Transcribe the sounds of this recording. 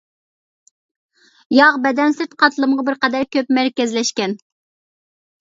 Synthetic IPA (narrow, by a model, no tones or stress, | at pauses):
jɑʁbɛd̪ɛnsɪɾt̪qʰɑt̪lˠɨmʁɑbɪɾqɑd̪æɾkʲøpmæɾkʲɛzlɛʃkʲɛn